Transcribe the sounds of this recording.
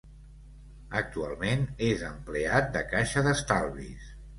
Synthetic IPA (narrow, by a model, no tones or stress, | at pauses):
ək̚t̪ua̰lˠmenezəmpleat̪̚d̪əkaʃəðəst̪alˠβḭs